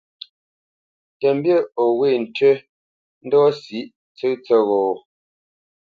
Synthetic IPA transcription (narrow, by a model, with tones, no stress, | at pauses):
tɛ˨m˦bjə˦˨o˨we˦˨n̩˨tɥə˦ | n̩˦dɔ˦si˨˦ʔ | t͡sə˦t͡sə˦ɣɔː˨